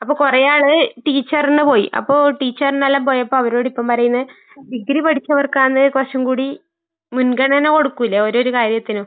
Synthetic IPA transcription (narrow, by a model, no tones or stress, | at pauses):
ɐpːoːkurejaːɭɨʈiːt͡ɕːɐrenːɨpo̞ːjḭʔɐ̰pːo̞ːʈiːt͡ɕːɐrnːɐlːaːmpo̞ːjɐpːoːɐʋɐɾo̞ːɽipːɐmpɐɾɐjunːɐ | diɡɾipɐʈʰit͡ɕːɐʋɐrkaːnːɨkɐrʂɐmkuːɽi | munɡɐɳɐneko̞ɽukːuilːɐo̞ɾo̞ɾukaːɾjɐt̪ːinoː